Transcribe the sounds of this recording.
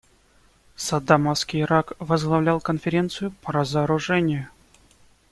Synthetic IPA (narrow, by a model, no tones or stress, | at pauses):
sɐd̪amɐfskʲijɪɾakvəzɡlˠɐvlʲalˠkənfʲɪɾʲe̞nt̪sɨjʊpəɾəzəːɾʊʐɛnʲɪjʊ